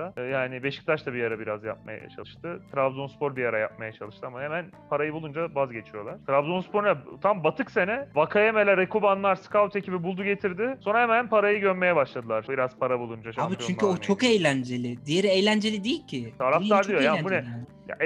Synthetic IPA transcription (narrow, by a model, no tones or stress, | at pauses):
d̪ajaːnɪbe̞ʃi̥c̚t̪ʰaʃt̪ʰabijaɾabiɾazja̰p̚ma̰ja̰t͡ʃʰa̰ɯʃt̪ʰɯt̪ʰɾavd̪onspoɾbijaɾaja̰p̚majat͡ʃʰalˠɯʃt̪ɯamaɦemæn | pʰaɾajɯbulˠund͡ʒabazɟe̞t͡ʃʰijo̞lˠaɾ̥t̪ɾavd̪onspo̞ɾnɛt̪ʰambat̪ʰɯkse̞nɛvakʰajemelʲɛɾekubanlˠaɾskavut̪ecʰibibulˠd̪uɟe̞t̪ʰiɾd̪ɪso̞nɾahemænpʰaɾajɯɟønme̞jɛbaʃlˠad̪ɯlˠaɾ̥biɾaz̥pʰaɾabulˠund͡ʒaʃabit͡ʃt͡ʃyɲyot͡ʃʰokejlʲænd͡ʒelʲɪd̪ijeɾejlʲænd͡ʒe̞lʲid̪ejilʲcʰɪt̪ʰaɾaft̪aɾd̪ˠijojaːnbnɛ | ja̰